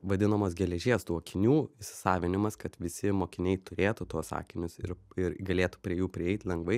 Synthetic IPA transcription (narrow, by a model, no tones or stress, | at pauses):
ʋɐd̪ʲɪnɐmoːsɡʲɛlʲɛʒʲeːst̪uɔkʲɪnʲuːɪʃʲsʲɪ̥sɑːʋʲɪnʲɪmɐskɐt̪ʋʲɪsʲɪmoːkʲɪnʲɛɪt̪ʊɾʲeːt̪ʊt̪uɔsɑ̰ːkʲɪnʲʊsɪ̰ɾɪɾɡɐlʲeːt̪u̥pʲɾʲiɛjuːpʲɾʲɪɛɪt̪ʲlʲɛŋɡʋɐɪ